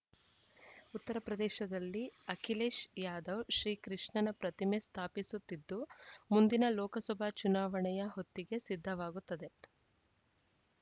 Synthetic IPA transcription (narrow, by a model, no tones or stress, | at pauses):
ut̪ːɐɾɐpɾɐd̪ɛːʃɐd̪ɐlːiɐkʰileːʃjaːd̪ɐwʃɾiːkɾiʂɳɐnɐpɾɐt̪ime̞st̪ʰaːpisut̪ːid̪ːumund̪inɐlɔːkɐsɔbʱat͡ʃunaːʋɐɳɛjɐɦot̪ːiɡe̞sid̪ʱːɐʋaːɡut̪ːɐd̪e̞